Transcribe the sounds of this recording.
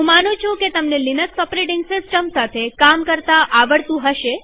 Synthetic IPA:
ɦũmanũt͡ʃʰũket̪əmnelinəksəpɾeʈĩŋɡsɪsʈəmsat̪ʰekamkəɾt̪aʔaʋəɽt̪ũɦəʃe

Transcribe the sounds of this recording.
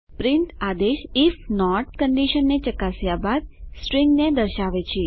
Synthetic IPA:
pɾɪnt̪ad̪eʃifnɔʈkəɳɖiʃənːet͡ʃəkasjabad̪̚sʈɾɪ̃ŋɡned̪əɾʃaʋet͡ʃʰe

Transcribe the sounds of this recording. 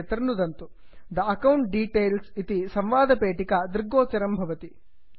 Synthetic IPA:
t̪ɐɾɐnud̪ɐnt̪u | d̪ɐɐkɐwɳʈ̚ɖiːʈeːlsit̪isɐmʋaːd̪ʱɐpeːʈikɐd̪ɾɡoːt͡ʃɐɾɐmbʱɐʋɐt̪i

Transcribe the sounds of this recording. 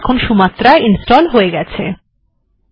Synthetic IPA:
kʰonʃumat̪ːɾaeʔinsʈɔlɦoeɡɛt͡ɕʰe

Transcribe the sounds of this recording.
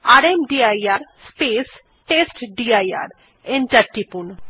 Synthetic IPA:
aɾemɖiajaɾspeːs | ʈesʈɖiaja̰ɾ | enʈɐʈːipun

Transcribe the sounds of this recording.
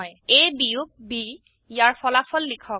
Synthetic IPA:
jejbijuk̚bi | jaɹpɔlapʰɔlːikʰɔk̚

